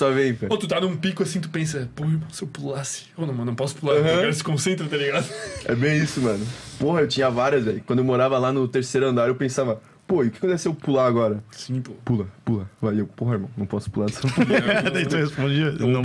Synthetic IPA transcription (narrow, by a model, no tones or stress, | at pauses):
sɔvẽj̃kot̪ut̪anũũpikʊɐsĩt̪u̥pẽs̬ɐpohɐeɾmɐ̃w̃sɪewpulasɪ̥onɐ̃w̃ɐ̃nɐ̃pɔsʊ̥pulaɾɦɐ̃kɛɾsɪ̥kõsẽnt̪ɾɐt̪ɐliɡad̪ʊɛbẽj̃isʊmɐ̃nʊpohɐewt͡ʃĩɲɐavaɾjɐzɛikwɐ̃nd̪ʊewmoɾavɐlanʊt̪eɾsejɾʊɐ̃nd̪aɾewpẽsavɐ | poiʊkɪkõɛsewpulaaɡɔɾɐsĩppulɐpulavajewpoɦɐeɾmɐ̃w̃nɐ̃w̃pɔsʊ̥pulaɾsẽpud̪ait̪ũhespõd͡ʒiɐ̃nɐ̃